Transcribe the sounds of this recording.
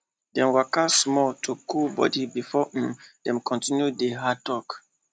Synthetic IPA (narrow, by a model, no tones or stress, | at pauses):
dɛ̃mwakasmɔltʰukulbɔ̰dibifɔd̥ɛ̃mkʰɔ̃ntĩnjudeɦatɔk